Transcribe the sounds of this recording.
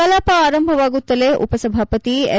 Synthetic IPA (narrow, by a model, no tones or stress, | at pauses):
ɐlaːpɐaːɾɐmbʱɐʋaːɡut̪ːɐleːʔṵpɐsɐbʱaːpɐt̪iḛ